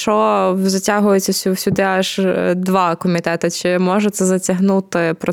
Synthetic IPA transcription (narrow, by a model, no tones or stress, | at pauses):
t͡ʃɔzɐtʲaɦʊjet͡sʲːɐsʲuwsʲʊd̪ɪɑʒd̪ʋɑkɔmʲit̪ɛt̪ɐt͡ʃɪmɔʒɛt̪sɛzɐtʲɐɦnut̪ɪpɾɔ